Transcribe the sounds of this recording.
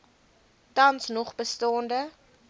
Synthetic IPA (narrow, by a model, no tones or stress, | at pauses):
tɐnsnɔχbəstɑːndə